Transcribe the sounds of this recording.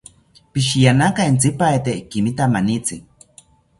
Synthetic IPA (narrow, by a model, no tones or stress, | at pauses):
piʃijanakaint͡sipaet̪ekimit̪amanit͡si